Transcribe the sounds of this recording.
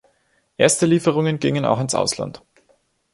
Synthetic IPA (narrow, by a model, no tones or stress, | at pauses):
ʔeːɐstəliːfəʁ̞ʊŋənɡɪŋəna̰ʊxɪnsʔa̰ʊsla̰nt